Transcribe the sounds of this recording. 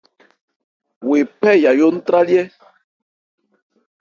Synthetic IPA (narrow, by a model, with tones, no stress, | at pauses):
we˨pɛ˦ja˨jo˦n̩˦tɾa˦ljɛ˦